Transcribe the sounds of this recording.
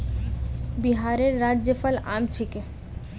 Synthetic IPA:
biɦaːɾeɾːaːd͡ʒjəpəlaːmt͡ʃʰike

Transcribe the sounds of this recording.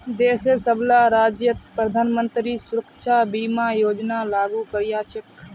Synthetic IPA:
d̪eːseɾsəblaːɾaːd͡ʒjət̪̚pɾəd̪ʱaːnmənt̪ɾisʊɾəkʃʰaːbiːmaːjoːd͡ʒnaːlaːɡuːkəɾjaːt͡ʃʰək

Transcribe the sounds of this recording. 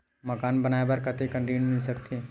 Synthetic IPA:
mɐkaːnbɐnaːebɐɾkɐt̪ekɐ̃nʈiːnmɪlsɐkt̪ʰi

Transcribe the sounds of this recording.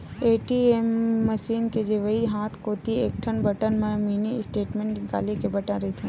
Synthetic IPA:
eːʈiemːɐʃiːnked͡ʒeʋɐiɦaːt̪ʰkoːt̪ieːk̚ʈʰənbɐʈənmẽmiːniɪsʈeːʈmẽːɳʈɡa̰ːlikebɐʈə̃ɾɐɦit̪ʰĩː

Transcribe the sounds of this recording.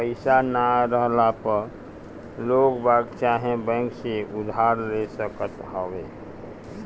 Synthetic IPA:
pəɪsanaɾəɦlapəɾ | lokbaɡt͡ʃaɦẽbɛ̃ŋkseʔud̪ʱaɾlesəkət̪ɦəwe

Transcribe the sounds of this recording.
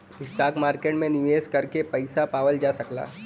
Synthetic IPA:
ɪsʈaːkmaːɾkeːʈmẽnɪʋeːzkɐɾkepɐɪsapaːʋəld͡ʒaːsɐkla̰ː

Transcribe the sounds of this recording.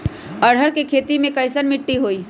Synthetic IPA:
ɐɽ̤əɾkekʰeːt̪imẽkɐɪsənmɪʈːiɦoːiː

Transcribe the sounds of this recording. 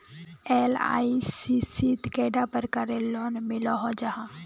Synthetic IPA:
eːla̰ːisisit̪keːɖapəɾkaɾelɔːnmɪlɔɦɔd͡ʒaɦa

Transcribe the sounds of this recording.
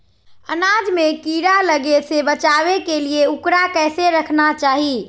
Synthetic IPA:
ə̰nad͡ʒmekiɾaləɡesebət͡ʃaβekelieukɾakɛɪseɾəkʰnat͡ʃaɦi

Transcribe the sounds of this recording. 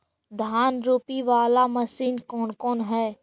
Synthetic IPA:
d̪ʱaːnɾuːpiʋaːlaməsiːnkɔːnkɔːnɦɛː

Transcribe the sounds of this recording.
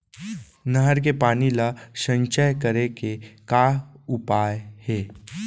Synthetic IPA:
nɐɦəɾk̬epaːnilaʃə̃ɲt͡ʃəjkəɾekekaːʊpaːjheː

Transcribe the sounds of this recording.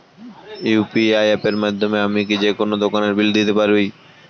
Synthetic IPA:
jupiajepeɾmad̪ʱːomeamik̬id͡ʑekonod̪okaneɾbild̪it̪epaɾbi

